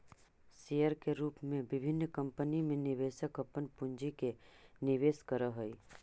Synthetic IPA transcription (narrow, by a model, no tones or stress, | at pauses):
sijəɾkeɾuːpmẽbɪbʱɪnːkɐ̃mpənimẽnɪʋeːʃəkəpənpʊ̃ɲd͡ʒikenɪʋeːskəɾəɦoi